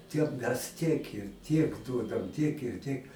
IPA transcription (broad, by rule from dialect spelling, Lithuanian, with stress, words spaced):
ˈtʲiɛm mʲɛs tʲiɛk ɪr ˈtʲiɛk ˈduɔdɐm tʲiɛk ɪr ˈtʲiɛk